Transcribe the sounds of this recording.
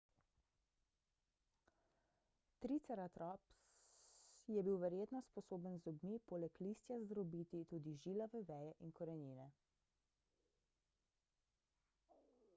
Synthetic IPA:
t̪ɾit̪sɛɾat̪ɾɔps | jɛbiwʋɛɾjeːt̪nɔspɔsoːbənzɔbmipoːlɛkliːst̪jazd̪ɾɔbiːt̪it̪uːd̪iʒiːlɔʋɛʋɛːjɛʔinkɔɾɛniːnɛ

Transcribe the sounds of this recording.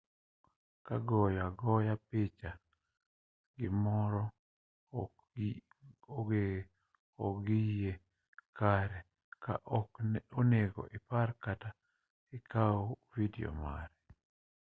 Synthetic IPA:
kaɡɔjaɡɔjapɪt͡ʃa | ɡɪmɔɾɔ | e | ɔ̰ɡije | kaɾɛ | ka̰ʔɔkoneɡɔ̰ʔɪparkata | ɪkaovidio̰ma̰ɾɛ

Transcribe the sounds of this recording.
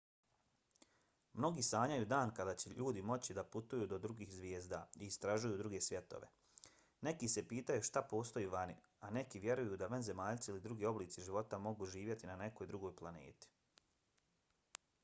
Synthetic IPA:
mno̞ɡiːsaːɲajuːd̪aːnkad̪aːt͡ɕe̞ʎuːd̪imo̞t͡ɕid̪aput̪ujuːd̪o̞d̪ɾuɡiːxzʋʲjeːzd̪aiːst̪ɾaʒujuːd̪ɾuɡe̞sʋje̞t̪o̰ʋe̞̰ | ne̞kise̞piːt̪ajuʃt̪apo̞ːst̪o̞juʋanḭ | ane̞kiʋje̞ɾujud̪aʋanze̞maːʎt̪siilid̪ɾuɡiːo̞bliːt̪siʒiʋo̞t̪amo̞ɡuʒiːʋje̞t̪inane̞kojd̪ɾuɡo̞ːjplˠane̞̰ːt̪i̥

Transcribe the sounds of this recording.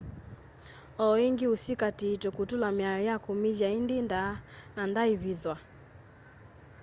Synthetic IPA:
ɔiŋɡiusikatiːtɔkutulamiajɔjakumivjaindindanandaiβiðwa

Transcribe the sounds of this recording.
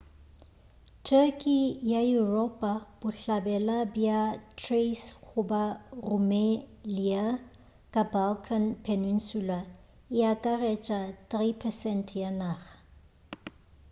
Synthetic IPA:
tʰɛkʼijajurɔpʼab̥ʊɬabɛlabjatʰresɣʊbarʊmelia | kʼabalkʰanpʰenin̩sula | ɪjakʼarɛt͡ʃʼatʼripʰɛsɛntʰjanaːɣḁ

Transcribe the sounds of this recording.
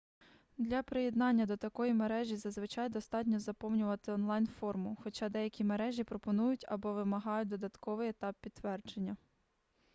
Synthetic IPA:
d̪lʲɐpɾɪjed̪nɑnʲːɐd̪ɔt̪ɐkɔjimeɾɛʒʲizɐzʋɪt͡ʃɑjd̪ɔst̪ɑtʲnʲɔzɐpɔwnʲʊʋɐt̪ɪɔnlˠɑjnfɔrmʊxɔt͡ʃɑd̪ɛjɐkʲimeɾɛʒʲipɾɔpɔnujʊtʲɐbɔʋɪmɐɦɑjʊd̪ɔd̪ɐt̪kɔʋɪjet̪ɑpːʲid̪ʋɛrd͡ʒenʲːɐ

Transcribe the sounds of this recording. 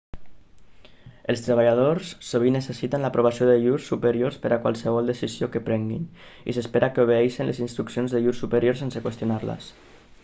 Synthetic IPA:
əlˠst̪ɾəβaʎað̞oɾsːoβinəsəsit̪ənləpɾoβasioðəʎuɾsːupəɾioɾspəɾʔakwa̰lˠsəβ̞ɔlˠd̪əsiziokəpɾɛŋɡḭnḭsəspeɾʔakəuβ̞eɛʃinlʔəzinst̪ɾuksionzðəʎuɾsːupəɾjoɾsensəkwəst̪junaɾlə̰s

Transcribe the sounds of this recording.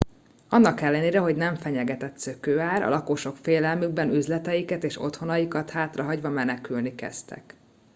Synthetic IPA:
ɒnːɒkɛlːɛneːɾɛɦo̞ɟnɛɱfɛɲɛɡɛt̪ɛt̪søkøːaːɾɒ̰lʔɒkoʃo̞kfeːlɛlmyɡ̚bɛnyzlɛt̪ɛjikɛt̪eːʃo̞̰t̪ho̞nɒjikɒt̪haːt̪rɒɦɒɟʋɒmɛnɛkylnikɛ̰st̪ɛ̰k

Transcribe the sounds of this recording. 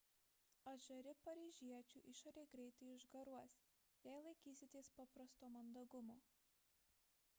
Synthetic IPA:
ɐʒɐɾʲɪpɐɾʲiːʒʲiɛt͡ʃʲuːˑʔɪʃoːɾʲeɪɡɾʲɛɪt̪ɐɪɪʒɡɐɾuɔsʲ | jɛɪlˠɐɪkʲiːsʲɪt̪ʲeːspɑpɾɐst̪oːmɐnd̪ɐɡʊmoː

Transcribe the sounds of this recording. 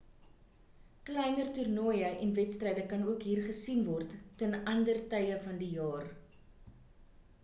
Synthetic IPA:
klɛjnərtyrnoːjəʔɛnvɛtstrɛjdəkɐnuəkɦiːrχəsinvɔrtːənɐndərtəjəfɐndijɑːr

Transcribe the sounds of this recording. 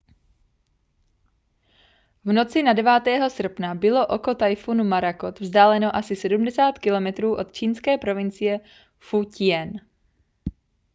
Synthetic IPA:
vno̞t͡sɪnadɛvaːt̪ɛːɦo̞sr̩pnabɪlo̞ʔoko̞t̪ajfunumaɾakot̪vzdaːlɛno̞ʔasɪsɛdumdɛsaːt̪kɪlo̞mɛt̪ɾuːʔo̞t̪̚t͡ʃiːnskɛːpɾo̞vɪnt͡sɪjɛ | fucɪɛn

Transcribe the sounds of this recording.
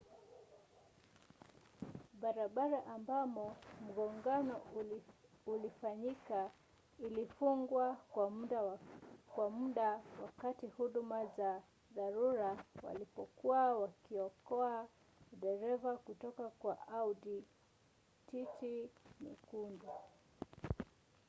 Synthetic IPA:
ɓaɾaɓaɾaʔambamɔm̩ɡɔŋɡanɔ | ulifaɲika | ilifuŋɡwakwaɗakwamuɗawakatihuɗumaza | ðaɾuɾawa̰lipɔkuawakiɔkɔa | ɗɛɾɛvakutɔkakwaʔadi | titimḭkundu

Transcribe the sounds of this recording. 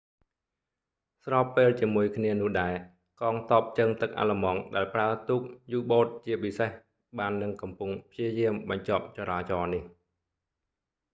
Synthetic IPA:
srɑːpːeːlt͡ɕiəmuəjkʰniənʊ̆əhɗaɛ | kɑːŋt̪ŏəp̚t͡ɕəŋt̪ɨk̚ʔa̰ːləmɑːŋɗaɛlpraət̪uːk̚juːɓoːt̪̚t͡ɕiəpiseh | ɓaːnːɨŋkɑmpuŋpʰjiəjiəmɓɑɲt͡ɕop̚t͡ɕɑɾaːt͡ɕɑːnih

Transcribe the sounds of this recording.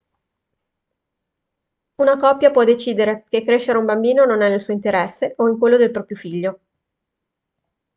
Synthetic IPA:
unakɔpːjapwɔd̪et͡ʃiːd̪eɾekekːɾeʃːeɾeumbambiːnononɛnelsuoint̪eɾɛsːeʔoiŋkwelːod̪elpɾɔpɾjofiʎːo

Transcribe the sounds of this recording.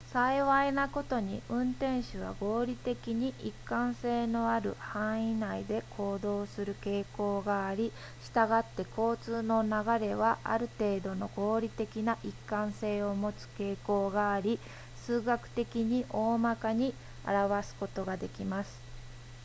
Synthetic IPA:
saiβainako̞t̪o̞ɲ̟iʔɯ̟̃nt̪ẽ̞ɰ̃ɕɨβa̰ɡo̞ːɾʲit̪e̞kʲiɲ̟iʔikːãɰ̃se̞ːno̞aɾɯ̟̰hãɰ̃inaid̪e̞kʰo̞ːd̪o̞ːsɨɾɯ̟ke̞ːko̞ːɡaːɾʲi | ɕi̥t̪aɡat̪ːe̞kʰo̞ːt͡sɨːno̞naɡaɾe̞βaʔa̰ɾɯ̟t̪e̞ːd̪o̞no̞ɡo̞ːɾʲit̪e̞kʲinaʔikːãɰ̃se̞ːo̞mo̞t͡sɨ̥ke̞ːko̞ːɡaːɾʲi | sɨːɡakɯ̟̥t̪e̞kʲiɲ̟iʔo̞ːmakaɲ̟i | a̰ɾaβasɨ̥ko̞t̪o̞ɡad̪e̞kʲimasɨ̥

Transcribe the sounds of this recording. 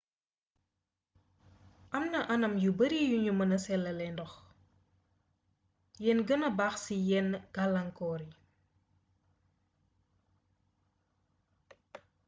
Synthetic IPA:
ʔɐmnɐʔɐnɐmjubəɾijuɲumɐnɐsɛlɐlɛndɔx | jɛnɡənɐbaxsijɛnɡ̥alɐŋkɔːɾi

